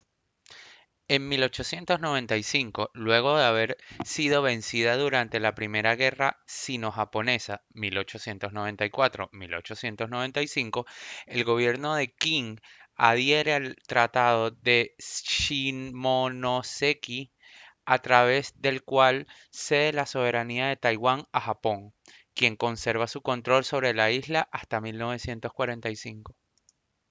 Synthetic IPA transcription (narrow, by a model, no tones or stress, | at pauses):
e̞ŋmilo̞t͡ʃo̞sje̞nt̪o̞zno̞β̞ẽ̞nt̪ajsiŋko̞lwe̞ɣ̞o̞ðeaβ̞e̞ɾsiðo̞β̞e̞nsiðaðuɾant̪e̞lapɾimeɾaɣe̞rasino̞xapo̞ne̞samilo̞t͡ʃo̞sje̞nt̪o̞zno̞β̞e̞nt̪ajkwat̪ɾo̞milo̞̰t͡ʃo̞sje̞nt̪o̞zno̞β̞e̞nt̪ajsiŋko̞e̞lɣo̞β̞je̞ɾno̞ðe̞kiŋaðje̞ɾe̞alt̪ɾat̪að̞o̞ðe̞ʃimonoseki | at̪ɾaβ̞e̞zðe̞lkwal | se̞ðelaso̞β̞e̞ɾaniaðe̞t̪ajɣwaŋaxapo̞ŋ | kje̞ŋko̞nse̞ɾβasuko̞nt̪ɾo̞lso̞β̞ɾe̞laizlaʔast̪amilno̞βe̞sje̞nt̪o̞skwaɾe̞nt̪ajsiŋko̞